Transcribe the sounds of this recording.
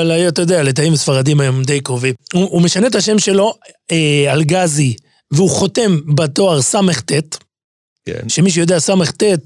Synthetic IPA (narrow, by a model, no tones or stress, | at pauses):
alajoat̪ajod̪ealet̪̬aimsfaʁad̪imajo̞md̪e̞jkʁovimuume̞ʃanet̪aʃe̞mʃe̞lo̞ | ealɡazi | veuχo̞te̞mbat̪o̞aʁsameχt̪et̪ | ʃe̞miʃ̬ejo̞d̪easameχt̪e̞t̪̚